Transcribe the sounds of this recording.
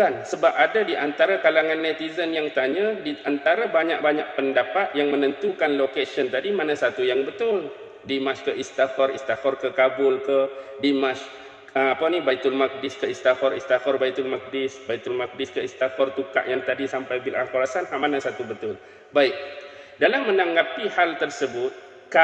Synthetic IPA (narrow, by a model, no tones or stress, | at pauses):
kansəbap̚adadiʔant̪aɾakalaŋãnːɛt̪izənjaŋt̪aɲãdiant̪aɾabaɲak̚baɲaʔ̚pəndapat̪̚jaŋmə̃nə̃nt̪ukanlokesənt̪adimanãsat̪ujaŋbət̪ʊl | dimãt͡ʃkəʔist̪afɔrist̪afɔrkəkabʊlkədimãt͡ʃ | əapanibajt̪ulmak̚dɪskəist̪afɔrist̪afɔrbajt̪ulmak̚dɪsbajt̪ʊlmak̚dɪskəist̪afɔrt̪uka̰ʔjaŋt̪adisampajbilʔaŋkuɾasanhamanãsat̪ubət̪ʊl | baik̚ | dalamːə̃naŋɡapihalt̪ərsəbʊt̪̚ | ka